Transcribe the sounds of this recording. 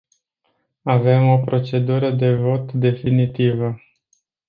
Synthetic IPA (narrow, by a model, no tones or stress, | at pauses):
ave̞mo̞pɾo̞t͡ʃe̞d̪uɾəd̪e̞vo̞t̪d̪e̞finit̪ivə